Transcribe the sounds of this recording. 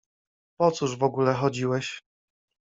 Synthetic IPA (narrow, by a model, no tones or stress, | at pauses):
pɔt̪suʐvɔɡulɛxɔd͡ʑiwɛɕ